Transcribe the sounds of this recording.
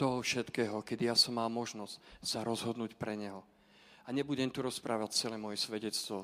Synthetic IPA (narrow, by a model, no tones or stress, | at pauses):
t̪ɔɦɔfʃɛt̪kɛːɦɔkɛd̪ijasɔmːaːmɔʒnɔscsaɾɔzɦɔd̪nuːcpɾɛɲɛɦɔ | aɲɛbuɟɛmt̪uɾɔspɾaːʋact͡sɛlɛmɔjɛsʋɛɟɛt͡st̪ʋɔ